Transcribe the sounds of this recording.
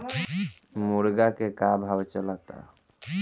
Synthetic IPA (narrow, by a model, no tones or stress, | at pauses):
muɾɡakekabʱabt͡ɕɔlat̪a̰